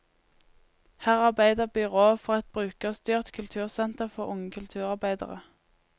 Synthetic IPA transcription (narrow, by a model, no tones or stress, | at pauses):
hæːʁɑʁbæɪd̪əʁbʏʁoːfɔʁɑt̪̚bʁʉːkəoːst̪yːʁt̪kʰʉlt̪ʰʉːʁsɛnt̪əʁfɔʁʊŋəkʰʉlt̪ʰʉːʁɑʁbæɪd̪ə̰ʁə̰